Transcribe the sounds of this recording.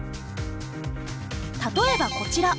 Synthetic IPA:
t̪at̪o̞e̞bako̞t͡ɕiɾa

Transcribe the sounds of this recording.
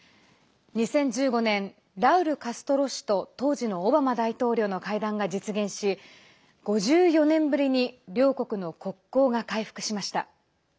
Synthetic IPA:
ɲ̟isẽ̞ɲ̟d͡ʑɨːɡo̞nẽ̞n | ɾaɯ̟ɾɯ̟kasɨ̥t̪o̞ɾo̞ɕi̥t̪o̞t̪o̞ːʑino̞ːbamad̪ait̪o̞ːɾʲo̞ːno̞kaid̪ãŋɡad͡ʑit͡sɨɡẽ̞ɰ̃ɕi | ɡ̥o̞ʑɨːjo̞nẽ̞mbɯ̟ɾʲiɲ̟iɾʲo̞ːko̞kɯ̟no̞ko̞kːo̞ːɡakaiɸɯ̟̥kɯ̟̥ɕimaɕi̥t̪a̰

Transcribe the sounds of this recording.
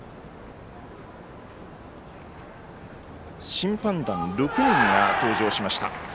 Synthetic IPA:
ɕĩmpãnd̪ãnɾokɯ̟nẽŋɡat̪o̞ːʑo̞ːɕimaɕi̥t̪a̰

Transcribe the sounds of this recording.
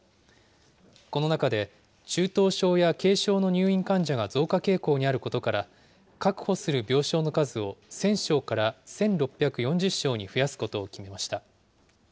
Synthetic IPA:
ko̞no̞nakad̪e̞ | t͡ɕɨːt̪o̞ːɕo̞ːjake̞ːɕo̞ːno̞ɲ̟ɨːĩŋkãɲd͡ʑaɡazo̞ːkake̞ːko̞ːɲ̟iaɾɯ̟ko̞t̪o̞kaɾa | kakɯ̟̥ho̞sɨɾɯ̟bʲo̞ːɕo̞ːno̞kazɨo̞sẽ̞ɰ̃ɕo̞ːkaɾasẽ̞nɾo̞pʲːjakɯ̟jõ̞ɲ̟d͡ʑɨɕːo̞ːɲ̟iɸɯ̟jasɨ̥ko̞t̪o̞ːkʲime̞maɕi̥t̪a

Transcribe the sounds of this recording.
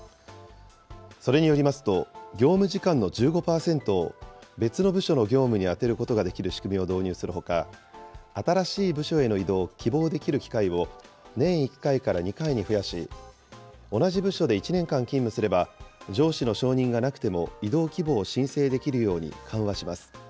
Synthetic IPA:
so̞ɾe̞ɲ̟ijo̞ɾʲimasɨ̥t̪o̞ɡʲo̞ːmɯ̟ʑikãnːo̞d͡ʑɨːɡo̞paːsẽ̞nt̪o̞be̞t͡sɨno̞bɯ̟ɕo̞no̞ɡʲo̞ːmɯ̟ɲ̟iat̪e̞ɾɯ̟ko̞t̪o̞ɡad̪e̞kʲiɾɯ̟ɕi̥kɯ̟mʲio̞d̪o̞ːɲ̟ɨːsɨɾɯ̟ɦo̞ka | at̪aɾaɕiːbɯɕo̞e̞no̞id̪o̞ːkʲʰibo̞ːd̪e̞kʲiɾɯ̟kʲi̥kaiβo̞ | nẽ̞ɰ̃ikːaikaɾaɲ̟ikaiɲ̟iɸɯ̟jaɕḭ | o̞naʑibɯ̟ɕo̞d̪e̞it͡ɕinẽ̞ŋkãŋkʲĩmːɯ̟sɨɾe̞bad͡ʑo̞ːɕino̞ɕo̞ːɲ̟ĩŋɡanakɯ̟̥t̪e̞mo̞̰id̪o̞ːkʲibo̞ːɕĩɰ̃se̞ːd̪e̞kʲiɾɯ̟jo̞ːɲ̟ḭkʰãɰ̃βaɕimasɨ̥

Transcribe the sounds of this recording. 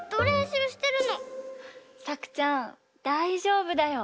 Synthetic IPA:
d̪̥oɾeɕiɯɕi̥t̪e̞ɾɯ̟no̞ | sakɯ̟̥t͡ɕã | d̪̥aiʑo̞ːbɯ̟d̪ajo̞

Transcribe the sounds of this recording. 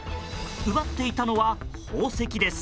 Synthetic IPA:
ɯ̟βat̪ːe̞it̪ano̞βa | oːse̞kʲid̪e̞sɨ̥

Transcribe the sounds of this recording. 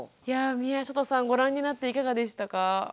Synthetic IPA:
jamʲiaɕot̪osãŋɡo̞ɾãɲ̟ːinat̪ːe̞ikaɡad̪e̞ɕi̥t̪aka

